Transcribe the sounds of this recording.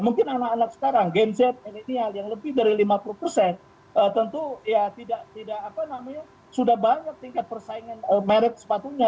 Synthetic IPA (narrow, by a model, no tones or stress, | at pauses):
muŋkɪnanakanak̚sə̥kaɾaŋɡɛmsɛt̪̚milinialjaŋləbɪhdaɾilimapuluhpərsɛn | ʔət̪ənt̪ujat̪idaʔt̪idakapanamaɲa | sudahbaɲak̚t̪iŋkat̪̚pərsaiŋanəmaɾɪt̪̚sə̥pat̪uɲa